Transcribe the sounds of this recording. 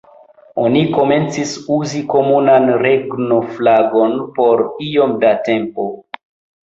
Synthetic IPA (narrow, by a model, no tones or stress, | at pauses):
o̞niko̞me̞nt͡sisuziko̞munanɾe̞ɡno̞flaɡo̞npo̞ɾio̞mdate̞mpo̞